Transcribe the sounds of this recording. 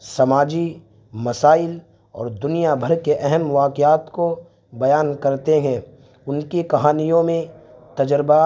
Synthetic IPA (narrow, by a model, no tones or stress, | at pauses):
sɐmaːd͡ʒi | mɐsaːɪl | ɔ̰ːɾd̪ʊnijabʱɐɾkeʔɛɦɛmʋaːkɪjaːt̪ko | bɐjaːnkɐɾt̪eɦɛ̃ | ʊnkekɐɦaːnijõmẽ | t̪ɐd͡ʒɾba